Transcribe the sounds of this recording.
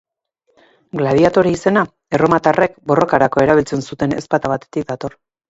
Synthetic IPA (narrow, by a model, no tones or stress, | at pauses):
ɡlaðiat̪o̞ɾiise̞na | e̞ro̞mat̪are̞kbo̞ro̞kaɾako̞e̞ɾaβ̞ilt͡se̞nsut̪e̞ne̞̰spat̪aβat̪e̞̥t̪ik̚d̪at̪o̞r